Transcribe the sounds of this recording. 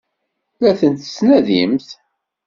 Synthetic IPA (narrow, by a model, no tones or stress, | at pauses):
læθənt̪ə̥snæðimθ